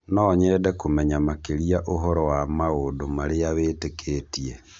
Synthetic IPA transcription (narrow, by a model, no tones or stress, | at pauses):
nɔːɲɛdɛkomɛɲamakeɾiaʔoɦɔɾɔwamaodomaɾeaβetekʰetie